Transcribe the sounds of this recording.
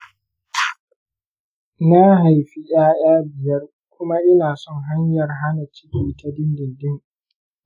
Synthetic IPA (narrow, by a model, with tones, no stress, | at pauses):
na˦ɦa˨jɸi˦ʔj̰aː˦j̰aː˦bɪ˨jɐ˦r | kʷʊ˦ma˦ʔɪ˦naː˨sɔ˦˨ŋɦa˦ɲjɐ˨rɦa˦na˨t͡ʃɪ˦kʲiː˨ta˦dɪ˦ndɪ˨ndɪ˦˨ŋ